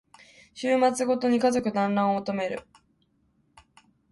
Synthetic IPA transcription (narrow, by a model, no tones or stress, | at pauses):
ɕɨːmat͡sɨɡo̞t̪o̞ɲ̟ikazo̞kɯ̟d̪ãnɾãɰ̃ot̪o̞me̞ɾɯ̟̰